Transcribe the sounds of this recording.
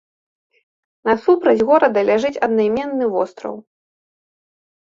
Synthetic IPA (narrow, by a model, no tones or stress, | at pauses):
nɐsupɾɐd͡zʲɣɔɾɐd̪ɐlʲaʐɨt͡sʲɐd̪najmʲɛnːɨvɔst̪ɾɐ̰w